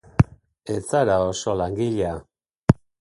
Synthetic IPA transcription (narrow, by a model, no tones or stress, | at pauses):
e̞t͡saɾaoso̞laŋɡiʎea